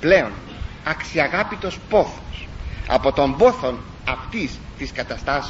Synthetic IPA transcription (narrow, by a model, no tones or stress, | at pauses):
ple̞o̞n | ɐksiɐɣɐpit̪o̞spo̞θo̥sɐ̰po̞t̪o̞mbo̞θo̞n | ɐft̪ist̪iskɐt̪ɐst̪ɐs